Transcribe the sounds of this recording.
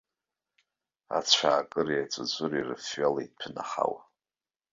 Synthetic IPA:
a̰t͡sʷʰaːkʼɨriat͡sʷʼad͡zʷʼʊrirɨfɥalaid̚pʰɨnaχa̰wa

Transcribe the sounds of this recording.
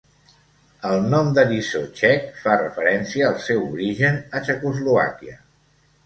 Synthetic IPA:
əlˠnɔmd̪əɾisot͡ʃɛkfarə̰fəɾɛnsiəːlˠsɛwuɾiʒənət͡ʃəkuzlua̰kiə

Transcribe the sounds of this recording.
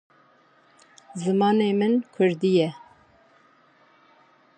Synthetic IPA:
zɨmɑːneːmɨnkʰʊɾd̪ijɛ

